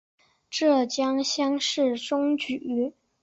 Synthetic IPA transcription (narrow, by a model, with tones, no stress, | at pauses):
ʈ͡ʂɤ˥˩t͡ɕjɑ˥ŋɕjɑ˥ŋʂɻ̩˥˩ʈ͡ʂʊ˥ŋt͡ɕy˨˩y˥